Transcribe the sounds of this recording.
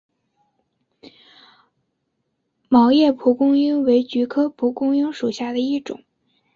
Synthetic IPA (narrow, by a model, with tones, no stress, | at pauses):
mɑ˧˥ʊjɛ˥˩pʰu˧˥kʊ˥ŋi˥ŋwe˧˥ɪt͡ɕy˧˥kʰɤ˥pʰu˧˥kʊ˥ŋi˥ŋʂu˨˩ɕja˥˩d̪ə˩i˥˩ʈ͡ʂʊ̰˨˩˦ŋ